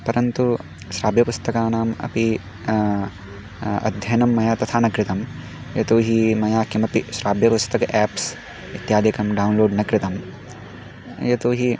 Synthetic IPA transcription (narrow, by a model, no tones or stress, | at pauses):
pɐɾɐnt̪u | ʃɾaːbjɐpust̪ɐkaːnaːmɐ̰pi | ɐ̰d̪ʱjɐnɐmːɐjaːt̪ɐt̪ʰaːnɐkɾɪt̪ɐm | jɐt̪oːɦimɐjaːkimɐpiʃɾaːbjɐpust̪ɐkɐʔɛːps | it̪jaːd̪ikɐmɖɐunloːɖnɐkɾɪt̪ɐm | jɐt̪oːɦi